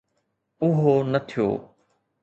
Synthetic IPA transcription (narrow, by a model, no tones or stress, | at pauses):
ʊɦoːnət̪ʰɪjo̰ː